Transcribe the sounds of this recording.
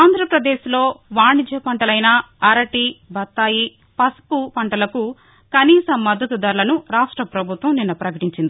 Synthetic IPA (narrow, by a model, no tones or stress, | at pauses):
aːnd̪ʱɾɐpɾɐd̪eːʃlo̞ːʋaːɳid͡ʒʱɐpɐɳʈɐlɐjnɐ | ɐɾɐʈibʱɐt̪ːaːji | pɐspupɐɳʈɐlɐku | kɐniːsɐmːɐd̪ʱːɐt̪ud̪ɐɾulɐnuɾaːʂʈɾɐpɾɐbʱut̪ʋɐmninːɐpɾɐkɐʈiɲt͡ʃind̪i